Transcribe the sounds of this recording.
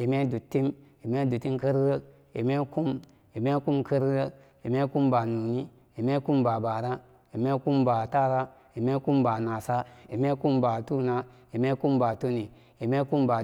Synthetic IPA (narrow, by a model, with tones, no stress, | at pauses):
i˨me˦du˨tːi˦mi˨me˦du˨tːi˦nkə˦ɾɾə˦ | ḭ˨me˦ku˦m | i˨me˦ku˦mkʰə˦ɾɾə˦ | i˨me˦ku˦mba˨nu˨ni˦ | i˨me˦ku˦mba˨ba˨ɾa˦ | i˨me˦ku˦mba˨ta˦ɾa˦ | i˨me˦ku˦mba˨na˨sa˦i˨me˦ku˦mba˨tu˦na˦ | i˨me˦ku˦mba˨tu˦ni˨ | i˨me˦ku˦mba˨